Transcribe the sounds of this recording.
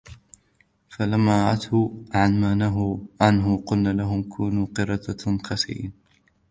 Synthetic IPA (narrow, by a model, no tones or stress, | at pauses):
falamːaːɾˤʔat̪ʊʕanmaːnaɦʊʕanɦʊqʊlnaːlaɦʊmkʰuːnuːqɨɾˤɑt̪axɑsḭn